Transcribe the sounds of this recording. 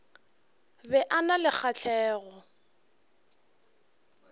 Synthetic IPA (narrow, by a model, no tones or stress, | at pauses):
bɛʔanalɪk͡xʰat͡ɬʰɛːɣɔ